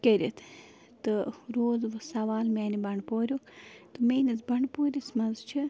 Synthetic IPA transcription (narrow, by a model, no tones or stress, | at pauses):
keɾʲit̪ʰ | t̪ɨɾoːzʋɨsɐʋaːlmeːnibɐɳɖpoːɾʲjukt̪ɨmeːnizbɐɳpoːɾʲismɐnzt͡ʃʰi